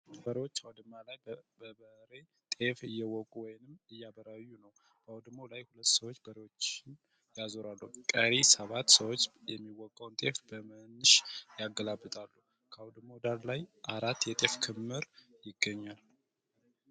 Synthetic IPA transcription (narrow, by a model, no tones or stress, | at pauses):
bəɾewot͡ʃːawd̪ɨmːalajbəbəhɾe̞ | t̪ʼe̞fɨjːɛwɔkʼuwɔjnɨmɨjːabəɾajːunəw | b̥əawd̪ɨmolajhulət̪ːsəwot͡ʃːbəɾewo̞t͡ʃːɪn | jazoɾalːuhkʼəɾisəβat̪ːsəwot͡ʃːjɛmːiwɔkʼːawnt̪ʼe̞fbəmɨnːɨʃjaɡːəlabːɨt̪ʼalːu | kʰəawd̪ɨmod̪allajʔaɾat̪ːjɛt̪ʼe̞fkʰɨmːɨɾjɪɡːəɲːal